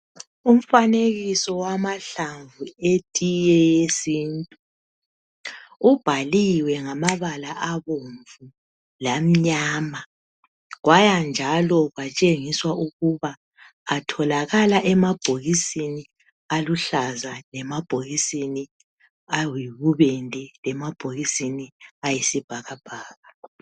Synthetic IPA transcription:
um̩faneɣisɔwamaɬaɱvuetʼijɛjesiːntʼu | ub̥ʱaliwɛŋamaβalaʔaβoɱvu | lam̩ɲaːma | ɣwajand͡ʒʱalɔɣwat͡ʃʼeŋiswaʔuɣuβaː | tʰɔlaɣalaʔɛmab̥ʱoɣisini | aluɬazalɛmab̥ʱoɣisini | awiβuβɛntʼɛlɛmab̥ʱoɣisiniajisib̥ʱaɣab̥ʱaːɣa

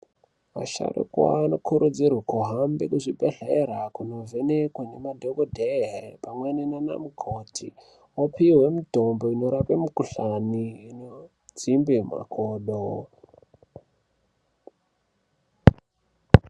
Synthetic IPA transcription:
ma̰ʃa̰ro̰kwa̰no̞kʰuɾud͡zirwakoɦambekuʐibʱeɬeɾakuno̞venekwane̞madʱokodʱeɦepamwenenana̰mukʰotʰi | wapiwe̞mito̞mbo̞ino̞ɾapemukuɬaniino | d͡zimbema̰koːɗo

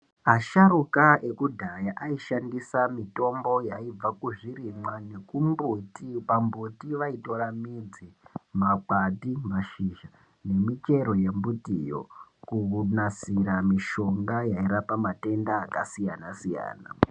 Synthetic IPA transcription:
aʃaɾukae̞kudʱajaʔaiʃandisamito̞mbo̞jaib͡vakuʐirimwane̞kumbutipambutiʋaito̞ɾamid͡zimak͡patimaʃiʒa | ne̞mit͡ʃe̞ɾo̞je̞mbutijo̰kuunasiɾamiʃo̞ŋɡajaiɾapamate̞ndaːkasijanasija̰ːna̰

